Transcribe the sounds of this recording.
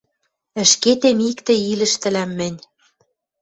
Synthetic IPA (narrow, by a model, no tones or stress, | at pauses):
ə̆ʃket̪emikt̪ɘ̆ilɘ̆ʃt̪ɘ̆læmːɘ̆nʲ